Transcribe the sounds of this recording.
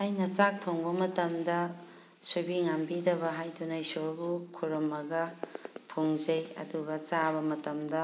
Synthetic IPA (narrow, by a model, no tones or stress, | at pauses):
ajnɐsak̚tʰoŋbɐmɐtɐmdɐ | subiŋambidɐβɐɦajdunajsoɾbukʰuɾɐmɐɡɐtʰoŋzejɐ̰duɡɐsaβɐmɐtɐmdɐ